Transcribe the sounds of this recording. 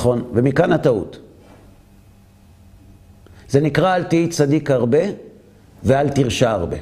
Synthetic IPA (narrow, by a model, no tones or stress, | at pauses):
χo̞nvemikanat̪aṵt | z̥enikʁaːltiit͡sad̪ikhaʁbe̞ | vealt̪iʁʃaːʁbḛ